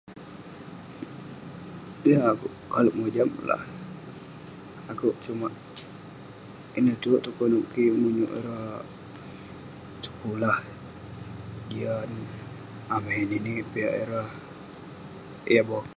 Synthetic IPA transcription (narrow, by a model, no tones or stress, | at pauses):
jaːkuʔkaluʔmod͡ʒamla̰h | akuʔt͡ʃumaʔ | inət̪uʔt̪ukonuʔkimuɲṵʔḭɾa | sə̥kulah | dian | ameninipiaʔḭɾah | jabɔ